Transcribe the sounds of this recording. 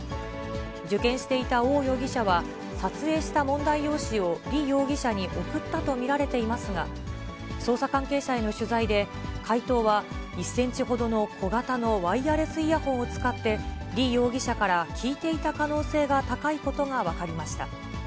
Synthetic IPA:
d͡ʑɨkẽɰ̃ɕi̥t̪e̞it̪ao̞ːjo̞ːɡʲiɕaβa | sat͡sɨe̞ːɕi̥t̪amõ̞nd̪aijo̞ːɕio̞ɾʲijo̞ːɡʲiɕaɲ̟iʔo̞kɯ̟t̪ːat̪o̞mʲiɾaɾe̞t̪e̞imasɨɡa | so̞ːsakãŋke̞ːɕae̞no̞ɕɨzaid̪e̞ | kʰait̪o̞ːβaisẽ̞ɲ̟t͡ɕiɦo̞d̪o̞no̞kʰo̞ɡat̪ano̞βaiaɾe̞sɨijahõ̞ɰ̃ot͡sɨ̥kat̪ːe̞ɾʲiːjo̞ːɡʲiɕakaɾakʲiːt̪e̞it̪akano̞ːse̞ːɡat̪akaiko̞t̪o̞ɡaβ̞akaɾʲimaɕi̥t̪a

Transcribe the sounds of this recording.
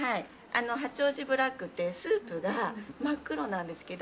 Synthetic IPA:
hai | a̰no̞ɦat͡ɕo̞ːʑibɯ̟ɾakːɯ̟t̪ːe̞sɨːpɯ̟ɡamakːɯ̟ɾo̞nãnd̪e̞sɨ̥ke̞d̪o

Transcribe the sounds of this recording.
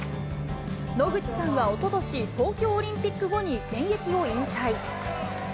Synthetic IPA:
no̞ɡɯ̟t͡ɕi̥sãɰ̃βao̞t̪o̞d̪o̞ɕit̪o̞ːkʲo̞ːɾʲĩmpʲikːɯ̟ɡo̞ɲ̟iɡẽ̞ɰ̃je̞kʲio̞ĩnt̪ai

